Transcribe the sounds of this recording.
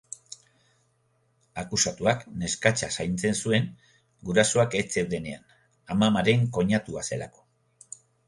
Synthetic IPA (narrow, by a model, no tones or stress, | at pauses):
akusat̪uakne̞skat͡ʃasajnt͡se̞nsue̞ŋ | ɡuɾasoake̞t͡se̞wðe̞ne̞an | amamaɾe̞ŋko̞ɲat̪uase̞la̰ko̞̥